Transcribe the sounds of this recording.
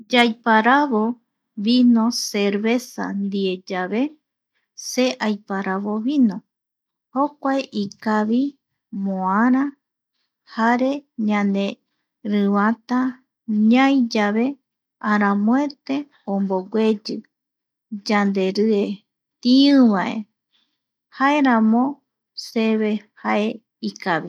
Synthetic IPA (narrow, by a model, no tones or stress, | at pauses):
d͡ʒajpaɾaβo | βinõseɾβe̞sa̰nd̪ied͡ʒaβe̞ | seʔajpaɾaβoβinõ | hokʷaeʔikaβi | mõaɾã | haɾeɲãnd̪e | ɾɨβat̪a | ɲãjd͡ʒaβe̞ | aɾãmõet̪e | õmboɡʷe̞d͡ʒɨ | d͡ʒand̪e̞ɾɨe | t̪iɨ̃βaʔe | hae̞ɾãmõ | seβe̞hae | ikaβi